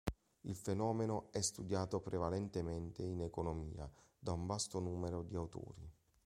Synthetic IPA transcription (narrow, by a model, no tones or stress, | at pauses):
ilfenɔːmenoɛst̪ud̪jaːt̪opɾevalɛnt̪emɛnt̪einekonomḭːa̰d̪auɱbast̪onuːmeɾod̪iawt̪o̰ːɾi